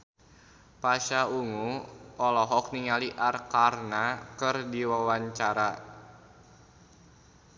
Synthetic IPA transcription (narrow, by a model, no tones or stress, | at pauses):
paʃauŋuʔɔlɔɦɔk̚niŋaliʔarkarnakɨrdiwawaɲt͡ʃaɾa